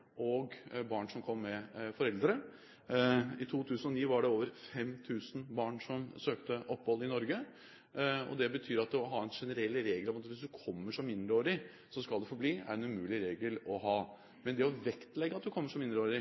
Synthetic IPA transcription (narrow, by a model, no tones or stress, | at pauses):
ʔɔɡbɑːɳʂɔmkʰɔmːɛfɔɾɛld̪ɾə | ɪt̪ʰuːt̪ʰʉːsənɔniːʋɑɖɛoːʋəɾfɛmt̪ʰʉːsn̩bɑːɳʂɔmsøːkt̪əʔɔpːhɔlːəɪnɔɾɡə | ɔ̰d̪ɛbət̪ʰyːɾɑt̪̚d̪ɛɔɦɑːɛnʂɛnəɾɛlːɾeːɡəlɑmːt̪ʋɪsd̪ʉkʰɔmːəʂɔmɪnd̪ɾəoːɾɪ | sɔskɑld̪ɛfɔbliːæ̰ɾɛnʉmʉːlɪɾeːɡəlɔɦɑː | mɛnd̪ɛɔʋɛkt̪lɛɡːəɑt̪̚d̪ʉkʰɔmːəʂɔmɪnd̪ɾəoːɾɪ